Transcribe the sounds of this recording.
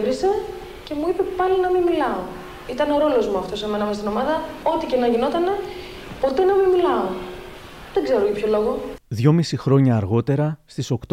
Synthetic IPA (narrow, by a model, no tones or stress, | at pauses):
vɾise̞ | ce̞muipe̞pɐlinɐmimilɐo | it̪ɐneo̞ɾo̞lo̞zmuɐft̪o̞seme̞nɐmɐst̪ino̞mɐðɐo̞t̪icenɐʝino̞t̪ɐne̞ | po̞t̪e̞nɐmimilɐo | ðeɡze̞ɾoʝɐpço̞lo̞ɣoðʝo̞misixɾo̞ɲɐːɾɣo̞t̪e̞ɾɐst̪iso̞kt̪